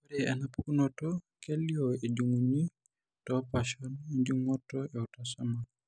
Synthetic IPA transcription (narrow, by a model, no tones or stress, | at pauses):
uɾianapukunɔtɔkelːiɔed͡ʒuŋuɲi | tɔpaʃɔniɲd͡ʒuŋɔtːɔɛutasama